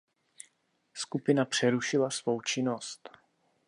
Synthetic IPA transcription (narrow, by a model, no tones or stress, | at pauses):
skupɪnapr̥ɛɾuʃɪlasvo̞wt͡ʃɪno̞st̪